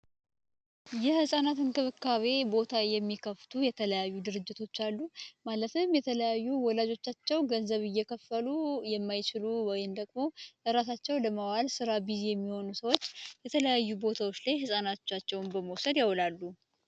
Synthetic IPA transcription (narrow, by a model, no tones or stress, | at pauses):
jɛhɨsʼanat̪ɨnkɨβɨkːaβe̞bo̞t̪ʰajɛmːikʰəft̪ʰujɛt̪ʰələjajːud̪ɨɾɨd͡ʒːɪt̪ʰo̞t͡ʃːalːumalət̪ʰɨmjɛt̪ʰələjajːuwɔlad͡ʒo̞t͡ʃːat͡ʃːɛwɡənzəβɨjːɛkʰəfːəlujɛmːajt͡ʃɪluwɔjɪnd̪əɡʼmo̞ʔɨɾasat͡ʃːɛwləmawalsɨɾabizejɛmːiho̞nusəwot͡ʃːjɛt̪ʰələjajːubo̞t̪ʰawo̞t͡ʃːlajhɨsʼanat̪t͡ʃːat͡ʃːɛwnbəmowsəd̪jawlalːu